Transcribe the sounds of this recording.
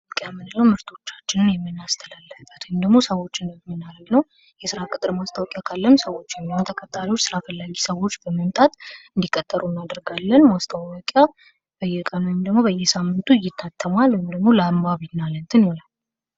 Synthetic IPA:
kʼjamɨnɨləwmɨɾt̪ʰo̞t͡ʃːat͡ʃːɪnɨnjɛmːɨnːast̪ʰəlalːəfbət̪wmd̪əɡmo̞səwo̞t͡ʃːɪnmːɨnːaɾəɡnəw | jɛsɨɾakʼɨt̪ʼɨɾmast̪ʰawɔkʼjakʰalːəmsəwo̞t͡ʃːjɛmːihont̪ʰəkʼət̪ʼːaɾiwot͡ʃːsɨɾafəlːaɡisəwo̞t͡ʃːbəməmt̪ʼat̪ɨnd̪ikʼət̪ʼːəɾunːad̪əɾɡalːənmast̪ʰawwɔkʼja | b̥əjːɛkʼənwɔjɪmd̪əɡmo̞bəjɛsamːɨnt̪ʰuɪjɪt̪ʰːat̪ʰːəmalwɔmd̪əɡmo̞lambaβɨnːalənt̪ʰɨnɔlal

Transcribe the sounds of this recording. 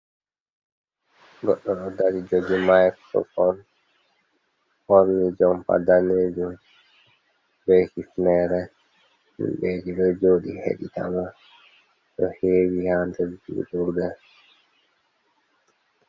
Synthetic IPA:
ɡɔɗːɔɗɔdaɾid͡ʒod͡ʒumajksɔ̰fɔn | hɔɾmid͡ʒɔmpa̰daneːd͡ʒum | bɛkifnɛɾɛ | mḭnbed͡ʒiɗɔd͡ʒoːɗihḛɗita̰ma | ɗɔheːwihantɛɾd͡ʒḭṵtuɾɡɛ

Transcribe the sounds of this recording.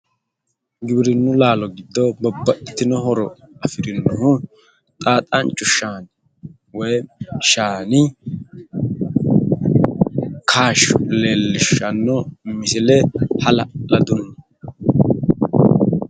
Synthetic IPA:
ɡɪbɪɾɪnːʊlaːlɔɡɪd̪ːɔbɔbːɐʔɪt̪ːɪnɔhɔɾɔ | ɐfɪɾɪnːʊhʊ | t̪ʼaːt̪ʼɐnt͡ʃʼʊʃaːn | wɔjʃaːnɪ | kʰaːʃleːlːɪʃɐnːɔmɪsɪlɛhɐlɐlɐd̪ʊnːɐ

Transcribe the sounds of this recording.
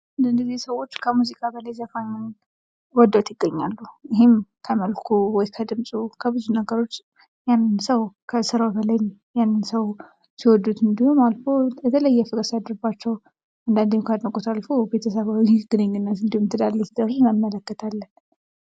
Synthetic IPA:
ɨnd̪ɨnd̪əzisəwːo̞t͡ʃːkʰəmuzikʼabələjzafajmən | wɔd̪ːwt̪jɪɡːəɲːalːuɪɦɪmkʰəməlkʰuwɔjkʰəd̪ɨmsʼukʰəbɨzunəɡəɾo̞t͡ʃː | janːɨnsəwkʰəsɨɾawbəlajn | janːɨnsəw | siwɔd̪ːut̪ɨnd̪ihumalfojɛt̪ʰələjːɛfɨɡʼəsad̪ɾɨbat͡ʃːɛw | and̪and̪eɲkʰad̪məkʼot̪ʰalfobe̞t̪ʰəs̬əβawiɡɨneŋɡɨnːat̪ɨnd̪ihumt̪ʰɨd̪alːəsd̪əɾuməmːələkːət̪ʰalːən

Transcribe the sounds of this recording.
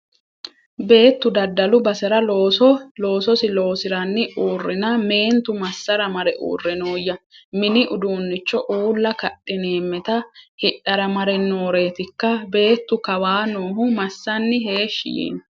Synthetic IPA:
be̞ːt̪ːʊd̪ɐd̪ːɐlʊbɐsɛɾɐloːlo̞ːsɔsɪlo̞ːsɪɾɐnːɪʔuːrːɪnɐme̞ːnt̪ʊmɐsːɐɾɐmɐɾɛʔṵːrːɛnoːjːɐmɪnɪʔʊd̪uːnːɪt͡ʃːɔʔuːlːɐkɐɗːɪne̞ːmːɛt̪ɐhɪᶑɐɾɐmɐɾɛnːo̞ːɾe̞ːt̪ɪkːɐbe̞ːt̪ːʊkɐwaːnoːhʊmɐsːɐnːɪɦe̞ːʃːɪ̰jḭːn

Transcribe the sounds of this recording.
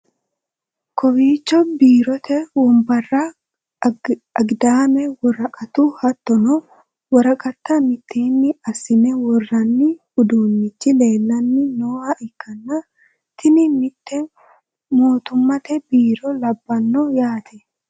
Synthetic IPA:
kɔbiːt͡ʃːɔbiːɾɔt̪ɛwɔmbɐrːa | ɐɡd̪aːmɛwɔɾɐkʼɐt̪uhɐt̪ːɔnɔ | wɔɾɐkʼɐt̪ːɐmɪt̪ʰːeːnːɪɐsɪnɛwɔrːɐnːɪhʊd̪uːnːɪt͡ʃːɪle̞ːlːɐnːɪnoːaʔɪkːɐnːɐ | t̪ʰɪnɪmɪt̪ːɛ | moːt̪ʊmːɐt̪ɛbiːɾɔlɐbːɐnːɔjaːt̪ʰɛ

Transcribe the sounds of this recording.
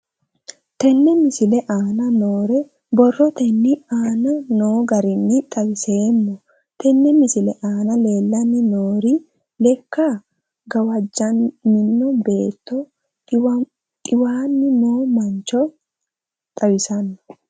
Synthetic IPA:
t̪ɛnːɛmɪsɪlɛʔaːnɐnoːɾɛ | bɔrːɔt̪ɛnːɪaːnɐno̞ːɡɐɾɪnːɪt̪ʼɐwɪseːmːɔ | t̪ɛnːɛmɪsɪlɛʔaːnɐle̞ːlːɐnːɪnoːɾɪ | lɛkːa | ɡɐwɐd͡ʒːɐnmɪnːɔbe̞ːt̪ːɔ | t̪ʼɪwaːnːɪnoːmɐnt͡ʃːɔ | t̪ʼɐwɪsɐnːɔ̥

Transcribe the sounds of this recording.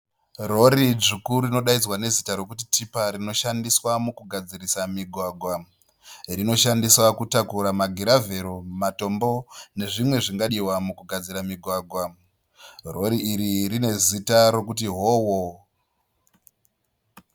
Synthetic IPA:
ro̞ɾid͡ʒikurino̞ɗaid͡zwane̞zitaɾo̞kutitipaɾino̞ʃandiswamukuɡʱad͡zirisamiɡʱwaɡʱwa | rino̞ʃandiswakutakuɾamaɡʱiɾave̞ɾo̞mato̞mbo̞ne̞ʐimwe̞ʐiŋɡaɗiwamukuɡʱad͡ziɾamiɡʱwaɡʱwa | ro̞ɾiːɾirine̞zitaɾo̞kut̬iɦoːwo

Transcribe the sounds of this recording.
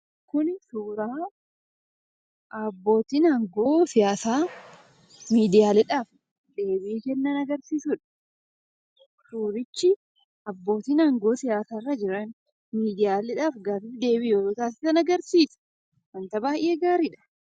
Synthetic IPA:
kʊnsuːɾaː | ʔɐbːo̞ːt̪iːnɐŋɡo̞ːsɪjaːsaː | miːd̪ɪjaːlɛᶑaːf | d̪e̞ːbiːkɛnːɐnɐɡɐɾsiːsʊᶑɐ̥ | suːɾɪt͡ʃːɪ | ɐbːo̞ːt̪iːnɐŋɡo̞ːsɪjaːsaːrːɐd͡ʒɪɾɐn | miːd̪ɪjaːlɪᶑaːfɡaːfɪfd̪e̞ːbiːjoɾoːt̪aːsɪ̥sɐnɐɡɐɾsiːsɛ̥ | mɐnt̪ɐbaːjʔeːɡaːɾɪᶑɐ̥

